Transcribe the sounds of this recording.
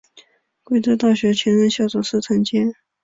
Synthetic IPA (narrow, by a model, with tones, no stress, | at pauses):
kwe˥ɪt̪ɤ˥t̪ɑ˥˩ʊɕɥɛ˧˥t͡ɕʰɥɛ˧˥nɻə˥˧nɕjɑ˥˩ʊt͡sʊ˨˩ʂɹ̩˥˩t͡sʰɤ˧˥ŋt͡ɕjɛ˥n